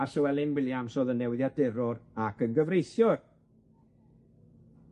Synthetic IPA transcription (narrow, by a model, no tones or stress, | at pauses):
arsəwɛlˠɪnwɪlˠjamsoːðənːɛwɪðjadɛɾʊɾakənɡəvrejθjɔr